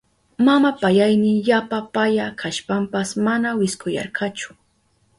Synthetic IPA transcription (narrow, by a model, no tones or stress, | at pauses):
mamapajajnɪʎapapajakʰaʃpampasmanawɪskʊjɑ̰ɾkɑt͡ʃʊ̥